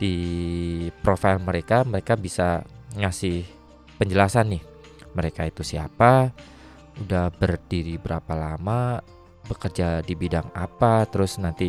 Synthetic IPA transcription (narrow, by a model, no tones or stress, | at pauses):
d̥i | pɾofailməɾekaməɾekabisa̰ŋasɪh | pəɲd͡ʒəlasanːɪh | məɾekait̪usiapa | udahbərdiɾibəɾapalama | bəkərd͡ʒadibidaŋapat̪əɾʊsnant̪i